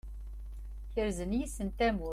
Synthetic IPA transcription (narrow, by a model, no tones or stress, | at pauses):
çəɾzənjisənt̪æmu